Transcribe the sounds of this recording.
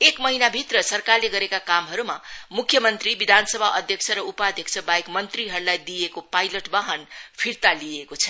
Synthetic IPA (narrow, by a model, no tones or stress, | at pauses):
ekmʌɦinabʱit̪rʌsʌrkarleɡʌɾekakamɦʌɾumamukʰːjʌmʌnt̪ribid̪ʱansʌbʱaʔʌd̪ʱjʌk̚t͡sʰʌɾʌupad̪ʱjʌkt͡sʰʌbajekmʌnt̪riɦʌɾulajd̪ijekopajlʌʈbaɦʌnpʰiɾt̪alijekot͡sʰʌ̥